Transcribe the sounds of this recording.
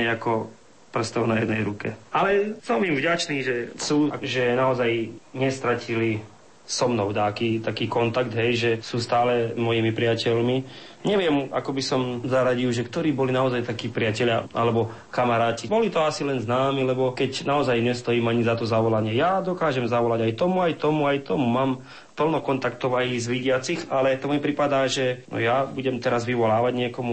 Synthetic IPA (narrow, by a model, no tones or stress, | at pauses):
ɛakɔ | pr̩st̪ɔʊnajɛd̪nɛjɾukɛalɛsɔmimvɟat͡ʃniːʒɛsuːaʒɛnaɔzajɲɛst̪ɾacili | sɔmnɔʊd̪aːkit̪akiːkɔnt̪aɡd̪ɦɛjʒɛsuːst̪aːlɛmɔjiːmipɾɪacɛʎmi | ɲɛʋɪɛma̰kɔbisɔmzaɾaɟilʒɛkt̪ɔɾiːbɔlinaɔzajt̪akiːpɾɪacɛʎɪa̰ʔa̰lɛbɔ | kamaɾaːcibɔlit̪ɔasilɛnznaːmilɛbɔkɛcnaɔzajɲɛst̪ɔjiːmaɲizat̪ɔzaʋɔlaɲɪɛjad̪ɔkaːʒɛmzaʋɔlaɟajt̪ɔmuajt̪ɔmuajt̪ɔmumaːm | pl̩nɔkɔnt̪ak̚t̪ɔʋaizʋiɟɪat͡sixalɛt̪ɔmipɾipad̪aːʒɛnɔ̰jabuɟɛmt̪ɛɾazʋiʋɔlaːʋaɟɲɪɛkɔmu